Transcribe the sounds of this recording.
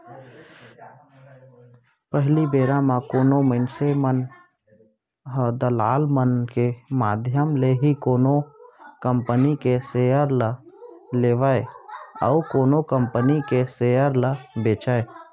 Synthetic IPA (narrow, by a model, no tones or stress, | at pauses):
pəɦlibeːɾãmãkoːnoməɪnsemən | ɦəd̪əlaːlmənkemaːd̪ʱjəmleɦikoːnokəmpənikesejəɾləleːʋaeə̰ukoːnokəmpənikeseəɾləbeːt͡ʃae